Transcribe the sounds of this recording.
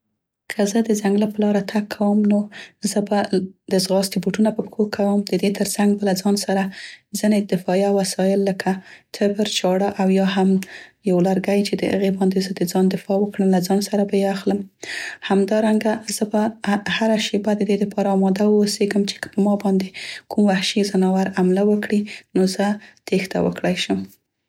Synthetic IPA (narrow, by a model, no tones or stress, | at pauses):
kʰəzəd̪əzaŋɡlapəlɑɾat̪ʰakʰːawəmnozəbad̪̥əzɣɑst̪ibuʈunapəpxokʰawəmd̪əd̪et̪əɾsaŋɡ̚bəlazɑnsaɾazined̪ɪfɑjawasɑjɪlːəkʰat̪ʰɪbəɾt͡ʃɑɽaʔawjɑɦamjawlaɾɡajt͡ʃed̪ə̰hə̰ɣebɑnd̪ezəd̪əd͡zɑnd̪ɪfɑwəkɽəmlazɑnsaɾabajeaxləmhamd̪ɑɾaŋɡaz̥əbahaɾaʃebad̪əd̪ed̪əpʰɑɾaːmɑd̪awəːseɡəmt͡ʃe̥kə̥pəmɑbɑnd̪ekʰumwahʃizənɑwaɾamlawəkɽinozət̪ext̪a̰wə̰kɽajʃəm